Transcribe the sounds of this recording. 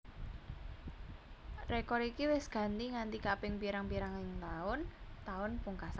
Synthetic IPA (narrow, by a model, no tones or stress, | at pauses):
rekɔɾikiwɪsɡ̥a̤nt̪iŋant̪ikapɪŋpiɾaŋpiɾaŋɪŋt̪aʊnt̪aʊnpuŋkasa